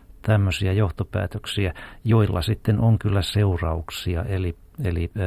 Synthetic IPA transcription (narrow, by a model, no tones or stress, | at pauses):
t̪æmːøsiæjoht̪opæ̰ːt̪øksiæjoilːɑ̰sit̪ːenʔoŋkylːæseurɑuksiɑ̰ʔeli | eli